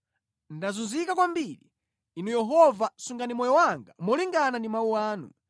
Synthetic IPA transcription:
ndazunzikakwambili | inujɛɦɔvasuŋɡanimɔjɔwaŋɡamɔliŋɡanandimauaːnṵ

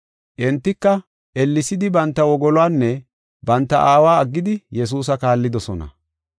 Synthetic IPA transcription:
ʔɛnt̪ːɪkːɐ | ʔɛlːɪsɪd̪ɪbɐnt̪ːɐwɔɡɔlɔwaːnːɛ | bɐnt̪ːɐʔaːwaːɐɡːɪd̪ɪjɛs̬uːs̬ɐkaːlːɪd̪ɔsɔnɐ̰

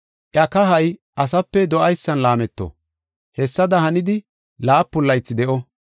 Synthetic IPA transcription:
ʔjɐkɐɦɐjʔɐs̬ɐpːɛd̪ɔʔɐjsːɐnlaːmɛt̪ːɔ̰ | hɛsːɐd̪ɐhɐnɪd̪ɪ | laːpːʊlːɐjt͡sːɪd̪ɛʔɔ

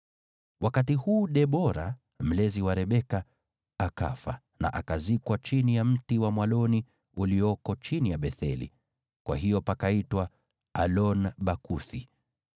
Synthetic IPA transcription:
wʔakatihuːɗɛɓɔɾa | m̩lɛziwaɾɛɓɛka | aka̰fa̰ | na̰ʔakazikwat͡ʃinijam̩tiwamwalɔni | uliɔkɔt͡ʃinijaɓɛθɛ̰lḭ | kwa̰ɦijɔpakaitwa | alɔnɓakuθi

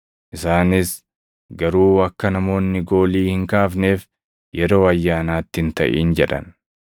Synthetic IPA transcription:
ʔɪsaːnɪs | ɡɐɾuːɐkːɐnɐmo̞ːnːɪɡo̞ːliːhɪŋkaːfne̞ːf | jɛɾo̞ːɐjːaːnaːt̪ːɪhɪnt̪ɐ̰ʔḭːnd͡ʒɛᶑɐ̰n

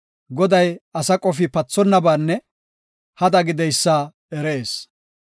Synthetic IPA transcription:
ɡɔd̪ɐjɐsɐkʼɔfɪpɐt͡sːɔnːɐbaːnːɛ | hɐd̪ɐɡɪd̪ɛjsːa | ɛɾeːs

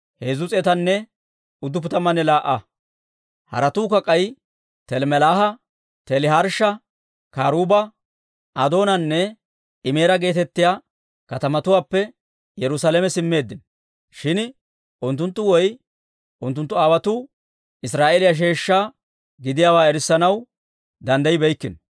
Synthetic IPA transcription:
heːzʊt͡sʼɛt̪ɐnːɛ | ʊd̪ːʊp̬ʊt̪ɐmɐnɛlaːʔɐ | hɐ̰ɾɐt̪uːkɐkʼːɐj | t̪ɛlmɛlaːhɐ | t̪ɛlɪɦɐɾʃɐ | kaːɾuːbɐ | ʔɐd̪o̞ːnɐnːɛ | ɪme̞ːɾɐɡe̞ːt̪ɛt̪ːɪjaː | kɐt̪ɐmɐt̪ʊwaːpːɛ | jɛɾʊsaːlɛmɛsɪmːe̞ːd̪ːɪn | ʃɪn | ʔʊnt̪ːʊnt̪ːʊwɔj | ʔʊnt̪̬ːʊnt̪ːʊaːwɐt̪uː | ɪsɾaːʔelɪjaʃ̬e̞ːʃːaː | ɡɪd̪ɪjaːwaːɛɾɪsːɐnɐw | d̪ɐnd̪ɐjɪbɛjkːɪn

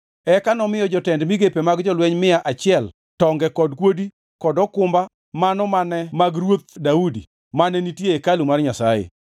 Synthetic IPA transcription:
ɛkanɔmɪjɔd͡ʒɔtɛndmiɡepemaɡd͡ʒɔlwɛɲmɪaʔat͡ʃɪɛl | tɔŋɡɛkɔdkwodi | kɔdɔkʊmba | manɔmanɛmaɡrwot̪̚daudḭ | manɛnitjeekalumarɲasajḛ

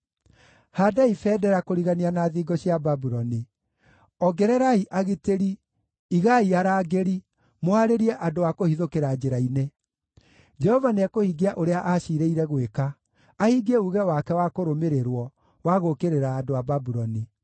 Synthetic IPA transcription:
hadaifɛːdɛɾakoɾiɣanianaːðiːɡɔɕjababuɾɔni | ɔɡɛɾɛɾaiʔaɣeteɾiː | ɣaiaɾaːɡeɾi | moaɾeɾiɛʔadoakohiðokeɾad͡ʒeɾaine | d͡ʒɛhɔvaneakohiɡeaʔoɾeaʔaɕiɾeiɾɛɣwekaː | hiɡeuɣɛwakɛwakoɾomeɾeɾwɔ | waɣokeɾeɾaːdoababuɾɔni

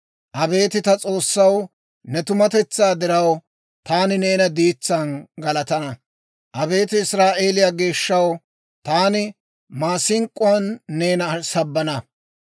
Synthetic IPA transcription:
ʔɐbe̞ːt̪ɪt̪ɐt͡sʼo̞ːsːɐw | nɛt̪ʊmɐt̪ɛt͡sːaːd̪ɪɾɐw | t̪aːnɪne̞ːnɐd̪iːt͡sːɐnɡɐlɐt̪ɐnɐ | ʔɐbe̞ːt̪ɪɪsɾaːʔe̞ːlɪjaːɡe̞ːʃːɐw | t̪aːnɪ | maːsɪŋkʼːʊɐnːe̞ːnɐsɐbːɐnɐ

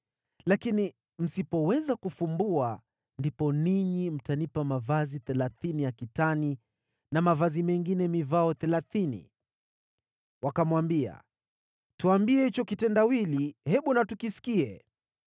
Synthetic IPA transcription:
lakini | m̩sipɔwɛzakufumbua | ndipɔniɲim̩tanipamavaziθɛlaθinijakitani | namavazimɛŋɡinɛmivaɔθɛlaθinḭ | wakamwambia̰ | tuambiɛhit͡ʃɔkitɛndawilihɛɓunatukisi̥kiɛ

